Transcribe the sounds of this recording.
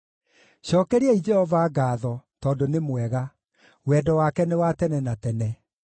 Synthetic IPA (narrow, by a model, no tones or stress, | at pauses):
ɕɔːkɛɾiɛid͡ʒɛhɔvaːɡaːðɔtɔːndonemwɛɣa | wɛːdɔwakɛnewatɛnɛnatɛnɛ